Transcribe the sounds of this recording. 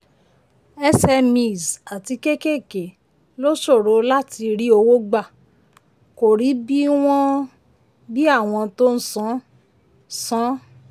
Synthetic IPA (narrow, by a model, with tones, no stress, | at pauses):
ɛ˦sɛ˧mĩ˨za˨ti˧ke˦ke˦˨ke˨ | lo˦ʃo˦˨ɾo˨˧la˦ti˧ɾi˦o˧wo˦ɡ͡ba˦˨ | ko˨ɾi˨˦bi˦w̃ɔ̃˦ | bi˦a˦˨w̃ɔ̃˧to˦n̩˦sɔ̃˦ | sɔ̃˦